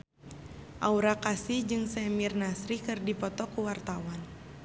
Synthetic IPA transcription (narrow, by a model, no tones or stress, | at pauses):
ʔauɾakasid͡ʒɨŋsɛmirnasɾikɨrdipɔt̪ɔkuwart̪awan